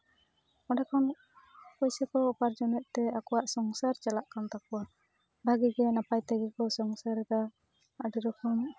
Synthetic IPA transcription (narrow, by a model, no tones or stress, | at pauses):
ɔɖakan | kɔjsɛkɔpaɾd͡ʒɔnɛʔ̪̚ˀt̪ɛakɔwaʔsɔŋsaɾt͡ʃalaʔkant̪akɔwa | bʱaɡiɡɛnapajt̪ɛɡɛkɔsɔŋsaɾɛɡa | aɖiɾɔkɔm